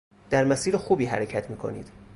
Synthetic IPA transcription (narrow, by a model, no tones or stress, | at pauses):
d̪̥æɾmæsiːɾexuːbiːɦæɾecʰæt̪ʰmiːkʰo̞̰nḭːd̪̥